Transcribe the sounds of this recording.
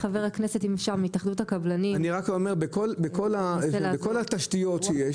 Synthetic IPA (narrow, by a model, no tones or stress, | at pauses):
χaveʁhaknese̞timfʃaʁmiitaχd̪uthakablanianiʁakomeʁbekolbeko̞laelabeko̞lat̪aʃtijo̞tʃejeʃ